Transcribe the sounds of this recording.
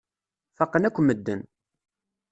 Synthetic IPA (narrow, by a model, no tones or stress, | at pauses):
fɑqːənækʷːməd̪ːən